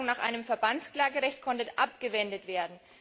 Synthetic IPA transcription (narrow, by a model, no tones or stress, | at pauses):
ʊŋnaːχʔa̰ɪnəmfɛɐbant͡skl̥aːɡəʁɛçt̚kʰɔntəʔapɡ̥əvɛndətv̥eːɐdn̩